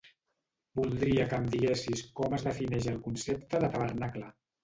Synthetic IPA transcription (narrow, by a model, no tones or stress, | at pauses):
bulˠd̪ɾiəkəmd̪iɣesiskɔməzðəfinɛʒəlˠkunsep̚t̪əðət̪əβərnaklə